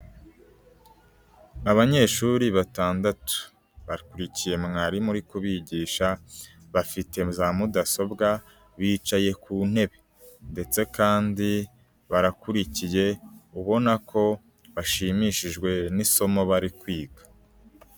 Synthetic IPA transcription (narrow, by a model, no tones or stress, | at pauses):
aβaɲe̞ːʃuɾiβataːndatu̥ | βaɾikuɾicije̞mŋaɾimuɾikuβiɟiːʃa | βafite̞zamudaso̞bɡa | βiːt͡ʃaje̞kuːn̥e̞βe̞ | nde̞t͡se̞kaːndi | βaɾakuɾicije̞uβo̞nakʰo̞ | βaʃimiʃiʒɡwe̞niso̞mo̞βaɾikwiːɡḁ